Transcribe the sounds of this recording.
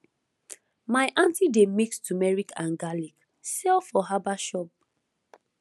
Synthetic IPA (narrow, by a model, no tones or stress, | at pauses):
maɪʔãntidemikstumɛɹikʰãnɡalik | sɛlfɔɦabaʃɔp̚